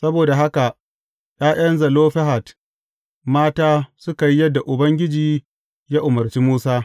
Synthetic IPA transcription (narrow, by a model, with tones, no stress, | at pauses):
sɐ˦boː˨da˨ɦa˦ka˨ʔ | j̰aː˦j̰ɐ˦nzɐ˨loː˦ɸɛ˦ɦa˨t | maː˦taː˦sʊ˦ka˨ji˦jɐ˦dːa˨ʔʊ˨bɐ˦ŋɡʲɪ˦d͡ʒiː˨ | ja˦ʔʊ˨mɐ˨rt͡ʃiː˦muː˦saː˦